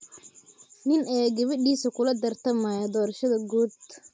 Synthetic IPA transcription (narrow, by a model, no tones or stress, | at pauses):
nɪnʔɛːɡɐβɪɖiːsɐkʰʊlɐd̪ɐrt̪ʰɐmɐːjɐd̪ɔːɾɐʃɐðɐɡuːd̪̚